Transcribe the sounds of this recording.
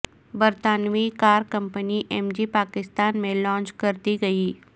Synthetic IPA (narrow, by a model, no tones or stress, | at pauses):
bɐɾt̪aːnʋikaːɾkɐ̃mpəniʔɛːmd͡ʒipaːkɪst̪aːnmẽlɔ̃ːnt͡ʃkɐɾt̪iɡɐiː